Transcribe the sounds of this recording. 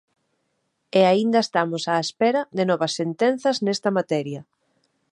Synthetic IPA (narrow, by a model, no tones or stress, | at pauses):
eaind̪ɐest̪amʊsaespɛɾɐðɪnɔβɐsːent̪ɛn̟θɐznɛst̪ɐmat̪ɛɾjɐ